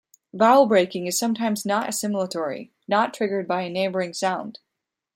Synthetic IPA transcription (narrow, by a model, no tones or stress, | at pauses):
baʊl̩ˠbɹeɪkɪ̃ŋɨz̥sʌ̃mtʰãɪ̃mznəɾɨ̰sɪ̃ml̩ˠətʰɔɹḭ | nətʰɹ̥ɪɡə˞d̚baɪɨneɪbə˞ɪ̃ŋsãʊ̃nd̥